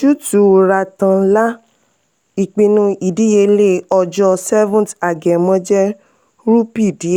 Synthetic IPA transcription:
ʃu˦tu˨ɾa˧tã˧˦la˦ | i˨k͡pĩ˧nũ˧˦i˨di˨˦e˧le˦˨ɔ˧d͡ʒɔ˧sɛ˦vũ˦˨ta˨ɡɛ˨mɔ̃˧˦d͡ʒɛ˦ | ɾu˦pi˦˨di˨˦˨

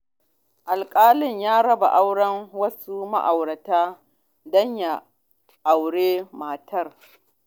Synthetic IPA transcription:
ʔa˨lkʼaː˦lɪ˦˨ɲjaː˦ɽɐ˦ba̰˨ʔa˦wɽɐ˦ŋwɐ˦su˦ma̰˦ʔa˨wɽɐ˨taː˦ | dɔ˦ɲja˨ | ʔa˨wɽeː˦maː˨tʰɐ˦r

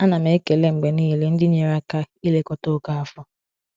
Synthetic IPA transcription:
a˦na˨me˨˦ke˨le˦ŋ͡m̩˨ɡ͡be˨niː˦˨le˦n̩˦dɪ˦ɲe˨ɾa˦ka˦ | i˦le˦kɔ˦to˦ka˦a˨fɔ˦

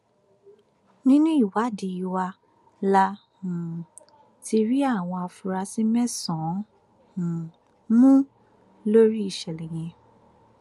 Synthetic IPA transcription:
nĩ˦nũ˦i˦˨wa˨˦di˨i˧wa˧ | la˧ | hũ˨ | ti˧ɾi˦a˦˨w̃ɔ̃˧a˧fu˧ɾa˧sĩ˦mɛ̃˦sɔ̃˨˦ | hũ˨ | mũ˦ | lo˦ɾi˦i˦˨ʃɛ˨lɛ˨j̃ɛ̃˧

